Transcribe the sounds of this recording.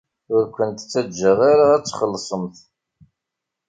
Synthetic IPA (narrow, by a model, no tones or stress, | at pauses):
ʊɾkʷənt̪t͡sːæd͡ʒːəʁaɾaæt͡sːχəlːsˤəmθ